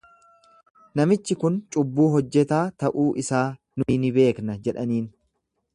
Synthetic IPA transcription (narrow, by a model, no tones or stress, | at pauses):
nɐmɪt͡ʃːɪkʊnt͡ʃʼʊbːuːɦɔd͡ʒːɛt̪aːt̪ɐʔuːʔɪsaː | nʊɪnɪbe̞ːknɐd͡ʒɛᶑɐniːn